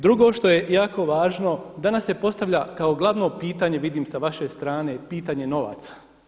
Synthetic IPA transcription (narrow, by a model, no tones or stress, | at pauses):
d̪ɾuɡo̞ʃt̪o̞jejaːko̞ʋaːʒno̞d̪anasːe̞po̞st̪aʋʎakaoɡlˠaʋno̞piːt̪aɲeʋid̪iːmsaʋaʃe̞st̪ɾaːne̞piːt̪aɲe̞no̞ʋa̰t̪sḁ